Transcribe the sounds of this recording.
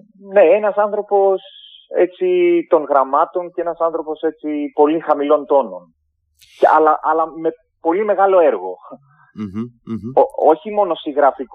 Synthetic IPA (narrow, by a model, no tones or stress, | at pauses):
ne̞enɐsɐnθɾo̞po̞se̞̰t͡sit̪o̞nɣɾɐmɐt̪o̞ncee̞nɐsɐnθɾo̞po̞se̞t͡sipo̞lixɐmilo̞nt̪o̞no̞̰n | ɐ̰lɐʔɐlɐme̞ | po̞lime̞ɣɐlo̞e̞ɾɣo̞̰ | ooçimo̞no̞siɣɾɐfik